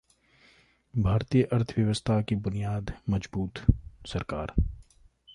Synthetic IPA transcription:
bʱaːɾt̪iːjəʔɐɾt̪ʰʋjəʋəst̪ʰakibʊnijaːd̪mɐd͡ʒbuːt̪sɐɾka̰ːɾ

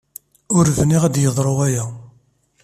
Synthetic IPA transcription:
ʊɾvniʁæd̪jəðˤɾˤoʁæjæ

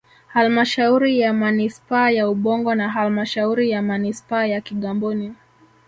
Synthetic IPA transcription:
halmaʃauɾijamanispaːjauɓɔŋɡɔnaɦalmaʃauɾijamanispaːjakiɠambuni

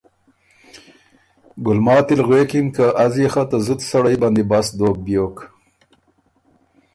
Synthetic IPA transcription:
ɡʊlmɑːt̪ɪlɣweːkimkaʔazjexat̪azʊd̪saɽajbɑnd̪ebasd̪oːk̚bjok

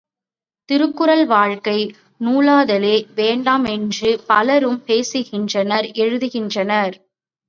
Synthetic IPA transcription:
t̪ɪɾɯkːɯɾɐlʋaːɻkɐɪ | nuːlaːðɐleːʋeːɳɖaːmɛndrɯpɐlɐɾɯmpeːsɯɣɪndrɐnɐɾʔɛɻɯðɯɣɪndrɐnɐɾ

